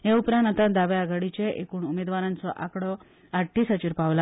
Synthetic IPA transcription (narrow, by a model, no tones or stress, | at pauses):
ɦɛ̃upɾãnat̪ãd̪aʋeaɡaɽit͡ɕeʔekuːɳumed̪ʋaɾãnt͡sɔʔakɽɔ | aʈʰːisət͡ɕiɾpaʋla